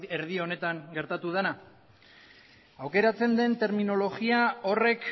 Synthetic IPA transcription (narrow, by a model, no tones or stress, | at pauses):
eɾðio̞ne̞t̪aŋɡe̞ɾt̪at̪uð̞ena | awke̞ɾat͡se̞nd̪e̞nt̪e̞ɾmino̞lo̞ɣiao̞re̞k